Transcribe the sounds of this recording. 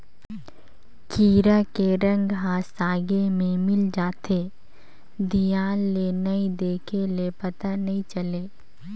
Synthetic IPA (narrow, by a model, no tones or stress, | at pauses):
kiːɾakeɾɐ̃ŋɡɦãsaːɡemẽmɪld͡ʒaːt̪eː | d̪ʱijaːlːenɐĩd̪eːkʰelepɐt̪anɐɦĩt͡ʃɐleː